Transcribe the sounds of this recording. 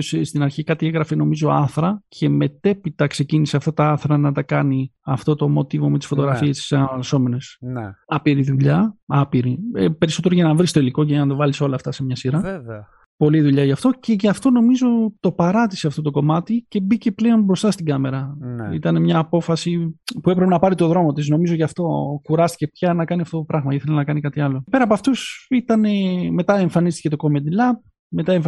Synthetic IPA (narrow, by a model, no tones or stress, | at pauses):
osst̪inɐɾçikɐt̪ieɣɾɐfeno̞mizo̞ɐ̰θɾɐce̞me̞t̪e̞pit̪ɐkse̞ciniseɐft̪ɐt̪ɐɐθɾɐnɐt̪ɐkɐniɐft̪o̞t̪o̞mo̞t̪ivo̞me̞t̪i̥sfo̞t̪o̞ɣɾɐfiest̪i̥sɐɐɐso̞me̞ne̞sɐpiɾiðuʎɐɐpiɾipe̞ɾiso̞t̪eɾoʝɐnɐvɾist̪o̞iliko̞cejɐnɐt̪ɐvɐliso̞lɐːft̪ɐsemɲɐsiɾɐ | po̞liðuʎɐʝɐft̪o̞ce̞ʝɐft̪o̞no̞mizo̞t̪o̞pɐɾɐt̪iseɐft̪o̞t̪oko̞mɐt̪ice̞bice̞ple̞o̞nbɾo̞st̪ɐst̪iɡɐme̞ɾɐit̪ɐne̞mɲɐːpo̞fɐsipue̞pɾepenɐpɐɾit̪o̞ðɾo̞mo̞t̪izno̞mizo̞ʝɐft̪o̞kuɾɐst̪i̥ce̞pçɐnɐkɐniɐft̪ot̪opɾɐɣmɐiθelinɐkɐnikɐt̪iɐlo̞pe̞ɾɐpɐft̪usit̪ɐne̞me̞t̪ɐe̞ɱfɐnist̪i̥ce̞t̪o̞ko̞med̪ilɐb̚ | me̞t̪ɐeɱf